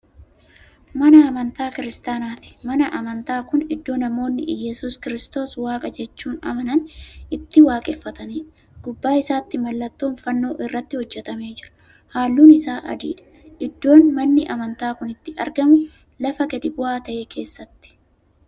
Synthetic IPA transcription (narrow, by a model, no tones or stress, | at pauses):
mɐnɐːmɐnt̪aːkɪɾɪst̪aːnaːt̪ɪ̥mɐnɐʔɐmɐnt̪aːkʊnɪd̪ːo̞ːnɐmo̞ːnːɪ̰jɛsʊskɪɾɪst̪o̞ːswaːkʼɐd͡ʒɛt͡ʃːuːnɐ̰mɐnɐnɪt̪ːɪwaːkʼɛfːɐt̪ɐniː | ɡ̥ʊbːaːɪsaːt̪ːɪmɐlːɐt̪ːoːnfɐnːo̞ːʔɪrːɐt̪ːɪhɔd͡ʒːɛt̪ɐme̞ːd͡ʒɪɾɐ̥ | haːlːuːnɪsaːʔɐ̰d̪ḭːᶑɐ̥ | ʔɪd̪ːo̞ːnmɐnːɪʔɐmɐnt̪aːkʊnɪt̪ːɪɐ̰ɾɡɐmʊ | lɐfɐɡɐd̪ɪbʊaːt̪ɐʔeːkʰe̞ːsːɐt̪ːɪ̥